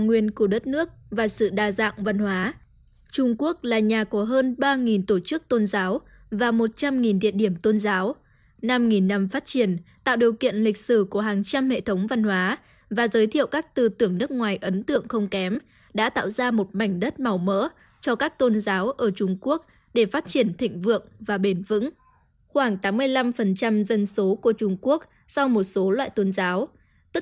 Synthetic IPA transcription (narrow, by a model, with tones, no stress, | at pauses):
ŋwi˨˩ənku˧˩əɗə˦˥t̚nɨ˦˥ək̚vaː˨˩sɨ̰˧˨ɗaː˧˩za̰ː˧˨ŋva˧nhwaː˨˦ | t͡ɕʊ˧ŋ͡mku˦˥ək̚laː˨˩ɲaː˨˩kɔ˧˩˦ɦəː˧nɓaː˧ŋi˨˩nt̪o˧˩t͡ɕɨ˦˥k̚t̪o˧nzaː˨˦w | vaː˨˩mo˨˩t̚t͡ɕa˧mŋi˨˩nɗ̪ḭ˧˨ənɗi˧˩əmt̪o˧nzaː˨˦w | na˧mŋi˨˩nːa˧mfaː˦˥t̚t͡ɕi˧˩ənt̪a̰ː˧˨wɗi˨˩əwkḭ˧˨ənlï˨˩k̟̚sɨ˧˩ku˧˩əɦaː˨˩ŋt͡ɕa˧mhḛ˧˨t̪ʰə˨˦wŋ͡mva˧nhwaː˨˦ | vaː˨˩zəː˨˦jt̪ʰḭ˧˨əwkaː˦˥k̚t̪ɨ˨˩t̪ɨ˧˩əŋnɨ˦˥ək̚ŋwaː˨˩jʔə˨˦nt̪ɨ̰˧˨əŋxə˧wŋ͡mkɛ˨˦m | ɗa̰ː˧˥t̪a̰ː˧˨wzaː˧mo˨˩t̚ma˨˩jŋ̟ɗə˦˥t̚ma˨˩wmə̰ː˧˥ | t͡ɕɔ˧kaː˦˥k̚t̪o˧nzaː˨˦wʔəː˧˩t͡ɕʊ˧ŋ͡mku˦˥ək̚ | ɗe˧˩faː˦˥t̚t͡ɕi˧˩ənt̪ʰḭ̈˧˨ŋ̟vɨ̰˧˨əŋvaː˨˩ɓe˧˩nvɨ̰˧˥ŋ | xwaː˧˩ŋt̪aː˨˦mːɨ˧əjla˧mfə˨˩nt͡ɕa˧mzə˧nso˨˦ku˧˩ət͡ɕʊ˧ŋ͡mku˦˥ək̚ | sa˧wmo˨˩t̚so˨˦lwa̰ː˧˨jt̪o˧nzaː˨˦w | t̪ɨ˦˥k̚